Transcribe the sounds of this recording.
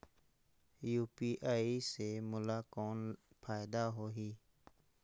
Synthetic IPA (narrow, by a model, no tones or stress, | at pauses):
juːpiːʔaːiːsemʊlaːkɔːn | pʰaːɪd̪aːɦoːɦiː